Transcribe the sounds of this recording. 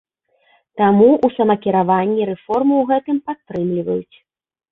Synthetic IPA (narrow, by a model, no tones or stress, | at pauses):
t̪amuʔusɐmɐkʲiɾavanʲːiɾɛfɔrmɨwɣɛt̪ɨmpat̪ːɾɨmlʲivɐjut͡sʲ